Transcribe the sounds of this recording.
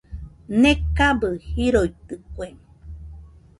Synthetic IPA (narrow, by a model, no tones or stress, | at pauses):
nekabəhiɾojt̪ɨkʷem